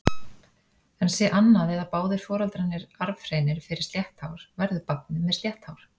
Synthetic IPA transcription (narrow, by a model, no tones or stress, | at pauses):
ɛnsɛʔanːaðɛðapaːwðɪɾ̥fɔːɾalt̪ɾanːɪɾaɾvfɾeːjnɪɾfɪɾɪ̥ɾ̥sljɛht̪hawɾ̥vɛɾðʏpat̪̚nɪmɛðsljɛht̪hawɾ̥